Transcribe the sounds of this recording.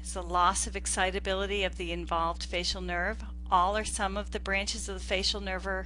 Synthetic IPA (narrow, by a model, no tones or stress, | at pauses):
ɨzðəlɔsʌvɨksaɪɾɨbɪlˠəɾiʌvðiɨ̃ɱvɑlˠvd̥feɪʃl̩ˠnɜ˞v | ʔɔlˠə˞sʌ̃mʌvðɨbɹæ̃nt͡ʃɨzʌvəfeɪʃl̩ˠnɜ˞və˞